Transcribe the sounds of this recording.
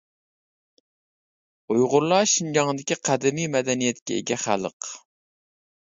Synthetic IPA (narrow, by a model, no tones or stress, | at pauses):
ujʁʊɾlˠɑʃind͡ʒɑŋd̪ɪkʲiqʰæd̪ɪmimɛd̪ɛnijɛt̪kʲɛḛɡʲɛχæ̰lˠəq